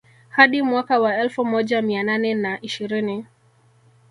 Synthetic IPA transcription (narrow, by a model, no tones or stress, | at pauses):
haɗimwakawaɛlfumɔʄamiananɛnaʔiʃiɾini